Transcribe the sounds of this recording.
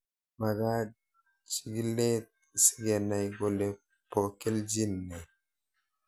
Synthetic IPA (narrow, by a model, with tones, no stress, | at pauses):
ma˨ɡa˦ | t͡ʃi˨ɡi˦le˦t̪̚ | si̥˦ɡɛ˨na˨jɡo˨le˨ | pɔ˨ke˦ld͡ʒi˦nːɛ˨